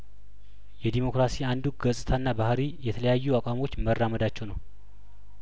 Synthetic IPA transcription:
jɛd̪imo̞kɾasiand̪uɡəsʼɨt̪ʰaɨnːabahɾijɛt̪ʰələjajːuakʷʼamo̞t͡ʃːmərːaməd̪at͡ʃːɛwnəw

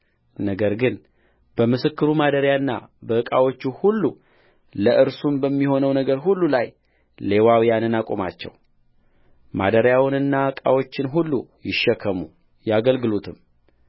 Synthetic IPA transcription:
nəɡəɾɡɨn | b̥əmɨsɨkːɨɾumad̪əɾjaɨnːa̰bəɨkʼawo̞t͡ʃːuhulːu | ləʔɨɾsumbəmːiho̞nəwnəɡəɾɦulːulaj | le̞wawijanɨnakʼoma̰t͡ʃːɛ̰w | ma̰d̪əɾjawɨnɨnːaɨkʼa̰wo̞t͡ʃːɪnɦulːujɪʃːɛkʰːəmṵ | jaɡəlɡɨlut̪ʰɨm

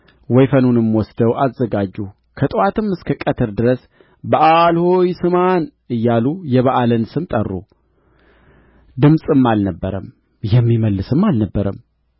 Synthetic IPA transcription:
wɔjfənunɨmwɔsd̪əwʔazːəɡad͡ʒːu | kʰət̪ʼɨwat̪ʰɨmːɨskʰəkʼət̪ʰɨɾd̪ɨɾəs | bəʔalhojsɨman | ɨjːalujɛβəʔalənsɨmt̪ʼərːo̰ | d̪ɨmsʼɨmːalnəbːəɾəm | jɛmːiməlːɨsɨmːalnəbːəɾəm

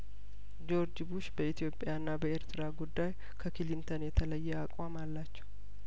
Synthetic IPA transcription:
d͡ʒo̞ɾd͡ʒɪbuʃbəit̪ʰijo̞pʼjanːabəeɾt̪ʰɨɾaɡud̪ːaj | kʰəkʰilint̪ʰənjɛt̪ʰələjːɛakʼwamalːat͡ʃːɛw

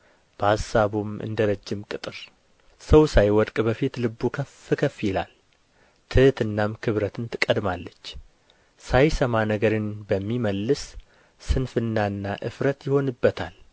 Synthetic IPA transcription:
b̥əasːaβumɨ̰nd̪əɾəd͡ʒːɪmkʼɨt̪ʼɨɾ | səwsajwɔd̪kʼbəfit̪lɨbːukʰəfɨkʰəfjɛla̰l | t̪ʰɨht̪ɨnːamkʰɨβɾət̪ʰɨnt̪ʰɨkʼəd̪malːət͡ʃː | sajsəmanəɡəɾɨnbəmːiməlːɨsː | ɨnfɨnːaɨnːaʔɨ̰fɾət̪jɪho̞nɨbːət̪ʰal

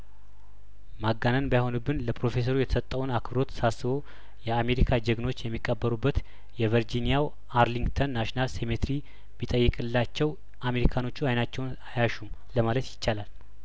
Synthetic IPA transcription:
maɡanənbajaho̞nubːɨnləpɾo̞fe̞s̬əɾujɛt̪ʰə̥sət̪ʼːəwunakʰbɾo̞t̪ʰːsasːɨβo̞ | jɛame̞ɾikʰad͡ʒəɡno̞t͡ʃːjɛmːikʼːəbːəɾubːət̪ | jɛvəɾd͡ʒinijaw | aɾliŋɡt̪ʰənːaʃnalse̞met̪ɾi | bit̪ʼəjːɨkʼɨlːat͡ʃːɛw | ʔame̞ɾikʰano̞t͡ʃːuajnat͡ʃːɛwnajaʃum | ləmalət̪jɪt͡ʃːalal

